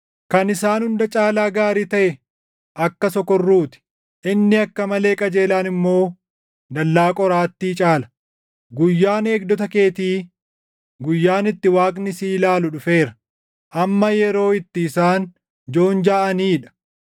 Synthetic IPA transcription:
kɐnɪsaːnhʊnd̪ɐt͡ʃʼaːlaːɡaːɾiːt̪ɐʔɛ | ʔɐkːɐsɔkɔrːuːt̪ɪ̥ | ʔɪnːɪɐkːɐmɐle̞ːkʼɐd͡ʒe̞ːlaːnɪmːo̞ː | d̪ɐlːaːkʼɔɾaːt̪ːiːt͡ʃʼaːlɐ̥ | ɡʊjːaːne̞ːɡ̚d̪ɔt̪̬ɐke̞ːt̪iː | ɡʊjːaːnɪt̪ːɪwaːkʼnɪsiːlaːlʊᶑʊfe̞ːɾɐ̥ | ʔɐmːɐjɛɾo̞ːɪt̪ːɪːsaːn | d͡ʒo̞ːnd͡ʒaːʔɐniːᶑɐ̥

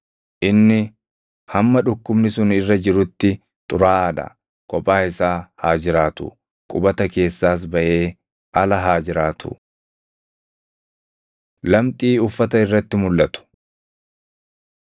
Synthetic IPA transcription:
ʔɪnːɪ | hɐmːɐᶑʊkːʊbnɪsʊnɪrːɐd͡ʒɪɾʊt̪ːɪ | t̪ʼʊɾaːɐᶑ̪ɐ̰ | kʼɔpʼːaːɪsaːhaːd͡ʒɪɾaːt̪ʊ̰ | kʼʊbɐt̪ɐke̞ːsːaːs̬bɐʔe̞ː | ʔɐlɐɦaːd͡ʒɪɾaːt̪ʊ̰ | lɐmt̪ʼiːʊfːɐt̪ɐɪrːɐt̪ːɪmʊlːʔɐt̪ʊ̥

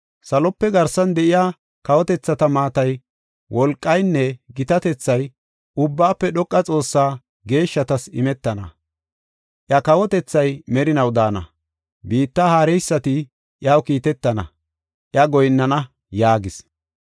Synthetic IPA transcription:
sɐlɔpːɛɡɐɾsɐnd̪ɛʔɪjaː | kɐwɔt̪ɛt͡sːɐt̪ɐmaːt̪ɐj | wʔɔlkʼːɐjnːɛɡɪt̪ɐt̪ɛt͡sːɐj | ʔʊbːaːpːɛɗɔkʼːɐt͡sʼo̞ːsːaː | ɡe̞ːʃːɐt̪ɐsɪmɛt̪ːɐnɐ̰ | ʔjɐkɐwɔt̪ɛt͡sːɐjmɛɾɪnɐwd̪aːnɐ̰ | biːt̪ːahaːɾɛjsːɐt̪ɪ | ʔjaːwkiːt̪ɛt̪ːɐnɐ̰ | ʔjɐɡɔjnːɐnɐ | jaːɡɪs

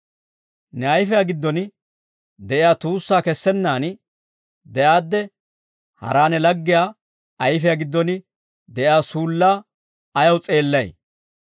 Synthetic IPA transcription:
nɛɐjfɛjaɡɪd̪ːɔnɪ | d̪ɛʔɪjaːt̪uːsːaːkɛsːɛnːaːnɪ | d̪ɛʔaːd̪ːɛ | hɐ̰ɾaːnɛlɐɡːɪjaː | ɐjfɛjaɡɪd̪ːɔnɪ | d̪ɛʔɪaːsuːlːaː | ɐjɐwt͡sʼe̞ːlːɐj

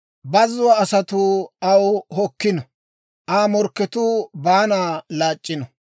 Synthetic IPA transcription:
bɐzːʊwaːsɐt̪uɐwhɔkːɪnɔ | ʔaːmɔɾkːɛt̪uːbaːnaːlaːt͡ʃʼːɪnɔ

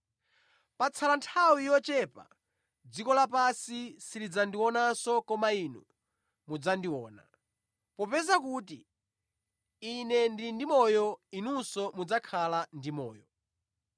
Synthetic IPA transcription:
pat͡sʰalantʰawijɔt͡ʃɛpa̰ | d͡zikɔlapasisilid͡zandiwɔnasɔkɔmainṵ | mud͡zandiwɔːna̰ | pɔpɛzakuti | inɛndindimɔjɔinusɔmud͡zakʰalandimɔ̰ːjɔ

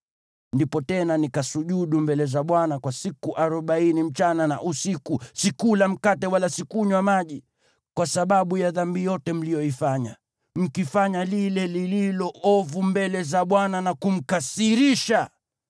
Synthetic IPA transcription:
ndipɔtɛnanikasuʄuɗumbɛlɛzaɓwanakwasikuʔaɾɔɓainim̩t͡ʃanana̰ʔusikusikulam̩katɛwalasikuɲwamaʄi | kwasaɓaɓujaðambijɔtɛm̩lijɔifaɲa | m̩kifaɲalilɛlililɔʔɔvumbɛlɛzaɓwananakum̩kasiɾiʃa

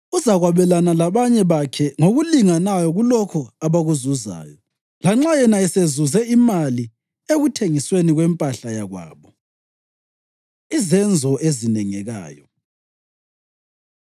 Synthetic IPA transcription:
uzaɣwaβɛlanalaβaɲɛβakʰɛŋoɣuliŋanajɔɣulɔkʰɔaβaɣuzuza̰ːjɔ | laŋ͡ǁajɛnaɛsezuzɛimali | eɣutʰeŋisweniɣwɛmpʼaɬajaɣwa̰ːβɔ | izɛnd͡zʱɔʔezinɛŋɛɣa̰ːjɔ

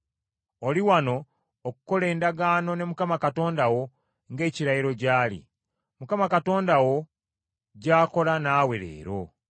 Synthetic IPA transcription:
oliwano̞ː | ku̥ko̞le̞ːndaɡaːno̞ne̞mukamakato̞ːndawo̞ | ŋɡe̞ːciɾajiɾo̞ɟaːlḭ | mukamakato̞ːndawo̞ | ɟaːko̞lanaːwe̞ɾe̞̰ːɾo̞̰

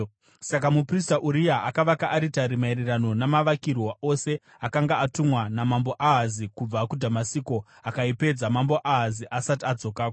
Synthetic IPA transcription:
sakamupristaʔuɾijaʔakaʋakaʔːɾitaɾimairirano̞namaʋakirwoʔose̞ | akaŋɡaatumwanamambo̞ʔaɦazikub͡vakudʱamasiko̞ | akaipe̞d͡zamamboʔaɦaziʔasatiad͡zo̞kaːkoo

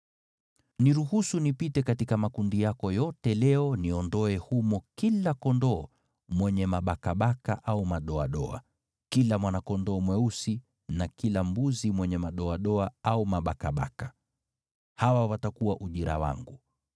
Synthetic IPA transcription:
niɾuhusunipitɛkatikamakundijakɔjɔtɛlɛɔniɔndɔɛhumɔkilakɔndɔː | mwɛɲɛmaɓakaɓaka̰ʔaumaɗɔaɗɔ̰a̰ | kilamwanakɔndɔːmwɛusi | nakilambuzimwɛɲɛmaɗɔaɗɔaaumaɓakaɓa̰ka | hawawatakuwaʔuʄiɾa̰wa̰ŋɡu

